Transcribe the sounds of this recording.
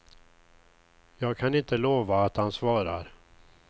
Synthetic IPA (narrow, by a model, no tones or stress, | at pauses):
jɑːɡ̚kʰanɪnt̪əloːvaːt̪hansvɑːɾaɾ